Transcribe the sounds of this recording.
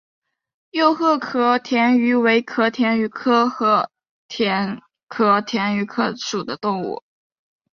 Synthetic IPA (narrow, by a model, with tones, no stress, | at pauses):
jo˥˧ʊxɤ˥˩kʰɤ˥t̪ʰjɛ˧˥ny˧˥we˧˥ɪkʰɤ˧˥t̪ʰjɛ˧˥ny˧˥kʰɤ˥xɤ˥ | t̪ʰɛ˧˥n | kʰɤ˧˥t̪ʰjɛ˧˥ny˧˥kʰɤ˥ʂu˨˩d̪ə˦t̪ʊ˥˧ŋṵ˥˩